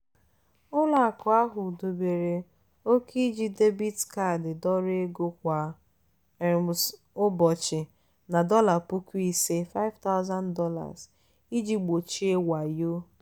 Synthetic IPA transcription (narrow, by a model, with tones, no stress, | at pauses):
ʊ˦la˨a˨kʊ˨a˦ɦʊ˨du˨be˨ɾe˨ | o˦ki˦d͡ʒi˦de˦bi˦dka˦˨dɪ˨dɔ˦ɾe˦ɡo˦kʷa˨ | s | ʊ˦bɔ˨t͡ʃɪ˨ | na˨dɔ˦la˨pʊ˦ki˦se˦fa˦ɪ˦vta˦ʊ˦za˦ndɔ˦la̰˨z | i˦d͡ʒi˦ɡ͡bo˨t͡ʃi˦e˦wa˨jo˦